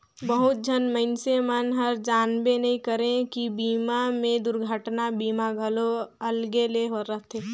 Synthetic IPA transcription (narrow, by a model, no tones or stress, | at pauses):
bəɦʊt̪̚d͡ʒʱənməɪnsemənɦəɾd͡ʒaːnbenəɦĩkəɾẽkibiːmamẽd̪ʊɾɡʱəʈnabiːmaɡʱəloəlɡeleɦoɾəɦt̪ʰeː